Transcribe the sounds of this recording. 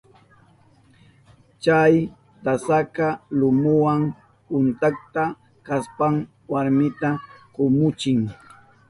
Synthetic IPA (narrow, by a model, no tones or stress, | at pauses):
t͡ʃaj | t̪asakalʊmʊwaŋ | pʊnt̪ak̚t̪a | kaspaŋ | waɾmɪt̪akʊmʊt͡ʃɪŋ